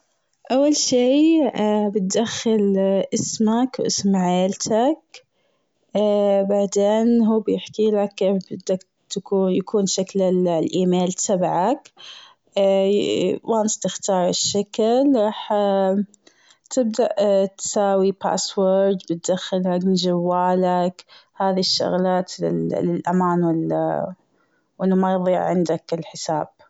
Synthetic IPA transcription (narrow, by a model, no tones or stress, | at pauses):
ʔawːalʃiː | bɪt̪̚d̪axːɪlʔɪsmakwʔɪ̰smʕeːlt̪ʰak | baʕd̪eːnɦuːbjɪħkiːlakːefbɪd̪ːak | t̪akuːjakuːnʃaklɪlʔiːmeːlt̪ʰabʕakː | wanst̪ɪxt̪ɑːɾˤɪʃːaklɾˤɑːħ | t̪ʰɪb̚d̪aʔt̪saːwipa̰ːswoɾd̪bɪt̪̚d̪axːɪlakmɪnd͡ʒawːaːlakhaːðiʃːʊ̰ɣlaːt̪ɪ̰lɪlʔamaːnwɪl | wɪnːamajðˤiːʕʕɪnd̪akɪlħɪsaːb̥̚